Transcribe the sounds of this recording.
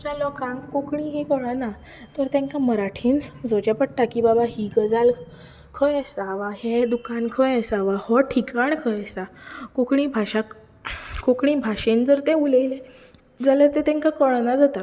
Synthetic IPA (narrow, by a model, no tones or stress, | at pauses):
d͡zalɔkãŋkukɳĩɦikoɽ̃ana | t̪əɾt̪ãŋkaməɾaʈʰiːnsamd͡zot͡ɕapəʈʈːakibabaɦiɡəd͡zal | kʰəjasaʋaɦed̪ukankʰəjasaʋahɔʈʰikaɳkʰəjasakokɳiːbʱaɕa | kokɳibʱaɕend͡zəɾt̪ẽuləjle | d͡zaləɾt̪et̪ãŋkakəɭnad͡zat̪a